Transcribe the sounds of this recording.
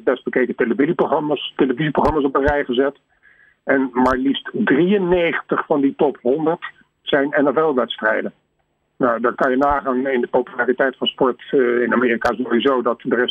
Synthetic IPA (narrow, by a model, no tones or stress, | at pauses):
bɛst̚b̥əkejkəteləviziproχrɑmaːsteləviziproχrɑmasɔp̚ərɛjχəzɛt | ɛnmaːɹlistdriənːejχəntəχfɑnditɔpɦɔndəɹt | sɛjnɛnɛvɛlˠʋɛtstrɛjdən | nawdaːɹkɑnjənaːχaːnɪndəpowpylaːritɛjtfɑnspɔɹtɪnameːrikaːzowizowdɑtdərɛs